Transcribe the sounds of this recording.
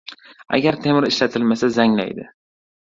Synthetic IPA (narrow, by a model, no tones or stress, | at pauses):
a̰ɡʲaɾt̪ʰe̞mɪɾɪʃlat̪ʰɪlmasazaŋla̰jd̪ɪ̰